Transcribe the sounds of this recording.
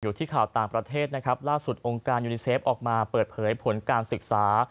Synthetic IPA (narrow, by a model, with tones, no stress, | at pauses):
juː˨˩t̪ʰiː˥˩kʰaː˨˩wt̪aː˨˩ŋpɾa˧t̪ʰeː˥˩t̪̚na˦˥kʰɾa˦˥p̚laː˥˩su˨˩t̪̚ʔo˧ŋkaː˧njuː˧niː˧seː˦˥p̚ʔɔː˨˩k̚maː˧pɤː˨˩t̪̚pʰɤː˩˦jpʰo˩˦nkaː˧nsɯ˨˩k̚saː˩˦